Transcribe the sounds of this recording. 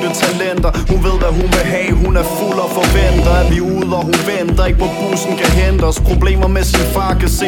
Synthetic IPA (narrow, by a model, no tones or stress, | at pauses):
d̥ət͡sʰælen̰d̥ɐhunʋe̝ð̞̰ˠʋæɦunʋeɦɛ̰ːɦunæɐfulɒfɒʋen̰d̥ɐæʋiuðˠɒɦunʋen̰d̥ɐe̝ɡ̥ə̥pʰɒb̥ṵːsn̩kʰæɦend̥əɒspʰʁo̝b̥le̝̰ːmɐmesinəfɑ̰̈ːkʰæse